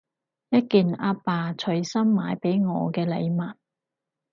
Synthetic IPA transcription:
jɐ˥t̚kiː˨naː˧paː˨t͡ʃʰɵ˨˧ɥsɐ˥mːaː˨˧jpe˨˥jŋɔ̰ː˨˧kɛː˧lḛ˨˧jmɐ˨n

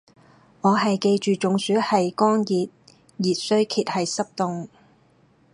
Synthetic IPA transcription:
ŋɔː˨˧ɦɐ˨jke˧jt͡ʃyː˨t͡ʃʊ˨ŋsyː˨˥hɐ˨jkɔː˥ŋjiː˨t̚ | jiː˨t̚sɵ˥ɥkʰiː˧t̚hɐ˨jsɐ˥p̚t̪ʊ˨ŋ

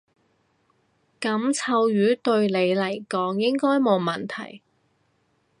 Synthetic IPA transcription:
kɐ˨˥mt͡sʰɐ˧wjyː˨˥t̪ɵ˧ɥle˨˧jlɐ˨˩jkɔː˨˥ŋjɪ˥ŋkɔː˥jmo˨˧mɐ˨˩nt̪ʰɐ̰˨˩j

